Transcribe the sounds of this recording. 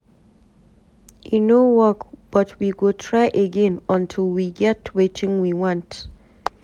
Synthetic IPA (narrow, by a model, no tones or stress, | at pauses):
ʔinowɔkb̥ʌtʰwiɡotʰɹaɪʔəɡɛ̃nə̃ntʰilˠwiɡɛtwet͡ʃɪ̃ŋwiwãnt